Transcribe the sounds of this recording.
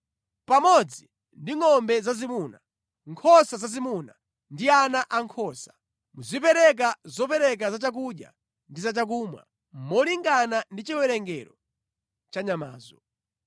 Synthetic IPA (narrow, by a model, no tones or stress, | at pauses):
pamɔd͡zi | ndiŋɔmbɛzazimuːna | ŋkʰɔsazazimuna | ndianaʔaŋkʰɔːsḁ | muzipɛɾɛk̬azɔpɛɾɛk̬azat͡ʃak̬uɗja̰ | ndizat͡ʃak̬uːmwa̰ | mmɔliŋɡanandit͡ʃiwɛɾɛŋɡɛɾɔ | t͡ʃaɲama̰ːzɔ